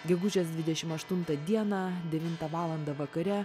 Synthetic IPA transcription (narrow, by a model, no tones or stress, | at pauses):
ɡʲɛɡʊd͡ʒʲɛsd̪ʋʲɪd̪ʲɛʃʲɪmɐʃt̪ʊnt̪ɐd̪ʲiɛnɑd̪ʲɛʋʲɪnt̪ɐʋɑːlˠɐnd̪ɐʋɐkɐɾʲɛ